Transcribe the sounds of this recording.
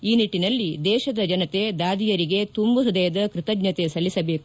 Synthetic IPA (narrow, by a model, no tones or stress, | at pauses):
iːniʈːinɐlːid̪ɛːʃɐd̪ɐd͡ʒɐnɐt̪e̞d̪aːd̪ijɐɾiɡe̞t̪umbuɾɐd̪ɐjɐd̪ɐkɾɪt̪ɐɡɲɐt̪e̞sɐlːisɐbe̞ːku